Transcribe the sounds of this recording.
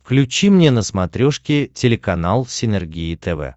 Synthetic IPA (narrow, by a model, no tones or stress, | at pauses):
fklʲʉt͡ɕimnʲenəsmɐt̪ɾʲoʂkʲɪtʲɪlʲɪkɐnalˠsʲɪnʲɛrɡʲiɪt̪ɛvɛ̰